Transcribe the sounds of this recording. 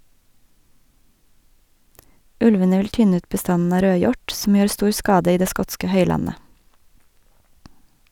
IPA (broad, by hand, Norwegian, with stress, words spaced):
ˈʉlʋənə ˈʋɪl ˈtʏnə ˈʉːt bəˈstɑnn̩ ˈɑː ˈɾøːˌjɔʈ sm̩ ˈjøːɾ ˈstuːɾ ˈskɑːdə ˈiː ˈdeː ˈskɔtskə ˈhœʏlɑnə